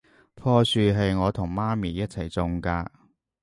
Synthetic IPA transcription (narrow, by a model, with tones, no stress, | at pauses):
pʰɔː˧syː˧ɦɐ˨jŋɔː˨˧t̪ʰʊ˨˩ŋmaː˥miː˨jɐ˥t̚t͡sʰɐ˨˩jt͡sʊ˨˧ŋkaː˧